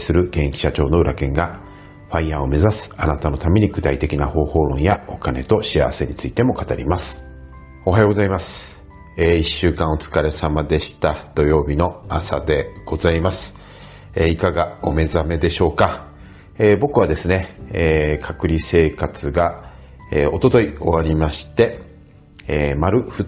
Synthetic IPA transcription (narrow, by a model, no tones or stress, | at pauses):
sɨɾɯ̟ɡẽ̞ɰ̃kʲi̥ɕat͡ɕo̞ːno̞ɯ̟ɾʔakẽ̞ŋɡa | ɸãĩjao̞me̞zasɨ̥anat̪ano̞t̪ameɲ̟iɡɯ̟t̪ait̪e̞kʲinaho̞ːho̞ːɾõ̞ɰ̃jao̞kane̞t̪o̞ɕia̰βase̞ɲ̟it͡sɨit̪e̞mo̞kat̪aɾʲḭmasɨ̥ | o̞ɦajo̞ɡozaimasɨ̥ | eːiɕːɨːkãɰ̃o̞t͡sɨ̥kaɾe̞samad̪e̞ɕi̥t̪ad̪̥o̞jo̞ːbʲino̞asa̰d̪e̞ɡ̥o̞zaimasɨ̥ | eikaɡao̞me̞zame̞d̪e̞ɕo̞ːka | eːbo̞kɯ̟βad̪e̞sɨne̞ekʰakɯ̟ɾʲise̞ːkat͡sɨɡa | eːo̞t̪o̞t̪o̞io̞βaɾʲimaɕi̥t̪e̞ | maɾɯ̟ɸɯ̟